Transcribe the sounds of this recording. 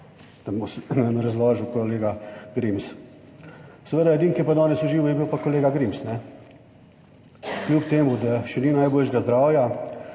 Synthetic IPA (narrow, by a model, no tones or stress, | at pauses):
t̪ambosnɛnɾɐzʋɔːʒuwkoleːɡaɡɾims | sɛʋeːd̪ajɛd̪iːŋkiɛpad̪ɔːnɛsuʒiːʋujɛbiwpakoleːɡaɡɾimsnɛ | klʲupt̪eːmud̪aʃɛninajboːlʃɡazd̪ɾaːwja